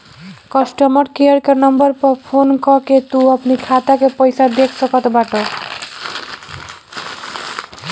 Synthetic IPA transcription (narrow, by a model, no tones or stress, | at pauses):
kɔsʈɔmɔɾkiɔɾkaɾnɔmbʌɾpɔɾpʰonkɔket̪uapnikʰat̪akepɔjsad̪ekʰsʰokɔt̪obaʈo